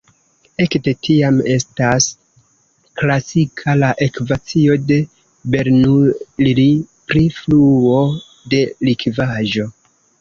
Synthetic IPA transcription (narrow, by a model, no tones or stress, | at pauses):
e̞kde̞tʰiame̞stas | klasikʰalaʔe̞kvat͡sio̞de̞ | be̞ɾnullipɾifluo̞ | de̞likvaʒo̞